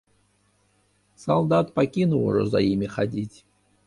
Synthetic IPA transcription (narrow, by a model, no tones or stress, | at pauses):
sɐlˠd̪at̪pɐkʲinʊlˠʊ̰ʐə̰zɐ̰imʲixɐdʲitʲ